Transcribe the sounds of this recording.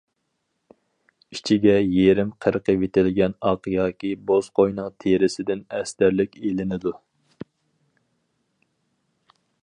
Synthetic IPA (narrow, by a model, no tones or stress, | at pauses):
it͡ʃʰiɡʲɛjeɾɪmqʰəɾqəvet̪ɪlɡʲɛnɑqjɑːkʲibozqʰojnɨŋt̪ʰeɾɪsɪd̪ɪnɛst̪æɾlɪkʲelɪnɪd̪u